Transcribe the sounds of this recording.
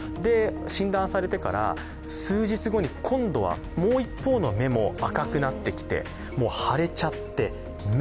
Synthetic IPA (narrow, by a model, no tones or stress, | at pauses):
d̪e̞ɕĩnd̪ãɰ̃saɾe̞t̪e̞kaɾa̰ | sɨːʑit͡sɨɡo̞ɲ̟ikʰõ̞nd̪o̞βa̰ | mo̞ːipːo̞ːno̞me̞mo̞akakɯ̟nat̪ːe̞kʲi̥t̪e̞̰ | mo̞ːhaɾe̞t͡ɕat̪ːe̞ | m